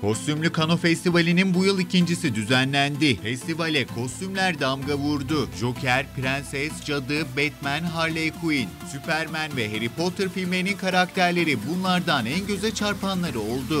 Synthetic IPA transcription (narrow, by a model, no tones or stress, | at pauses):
kʰo̞st̪ʰymlʲykʰano̞fɛst̪ivalʲininbujɯlˠicind͡ʒisid̪yzænlʲænd̪ifɛst̪ʰivalʲɛkʰo̞st̪ymlʲæɾd̪amɡavuɾd̪uʒo̞cʰæɾpɾɛnsɛsd͡ʒad̪ɯbɛt̪mænɦaɾlʲejkʰuinsypʰæɾmænvɛɦe̞ɾipo̞t̪ʰɯɾfilʲmeninkʰaɾak̚t̪ʰæɾlʲe̞ɾibunlˠaɾd̪anɛnɟø̞zɛt͡ʃʰaɾpanlˠaɾɯo̞lˠd̪ʊ